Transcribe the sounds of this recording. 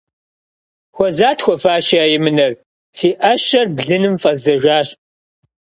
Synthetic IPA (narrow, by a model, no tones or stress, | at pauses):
xʷɔzaːtʰxʷɔfaːʃiaːjɪmɨnɐr | siːʔɐɕɐrbɮɨnɨmfʼɐzɐʒʷaːɕʼ